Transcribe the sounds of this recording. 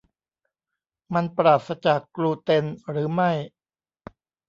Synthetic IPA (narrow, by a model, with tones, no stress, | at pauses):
ma˧npɾaː˨˩t̪̚sa˧t͡ɕaː˨˩kːɾuː˧t̪e˧nɾɯː˩˦ma˥˩j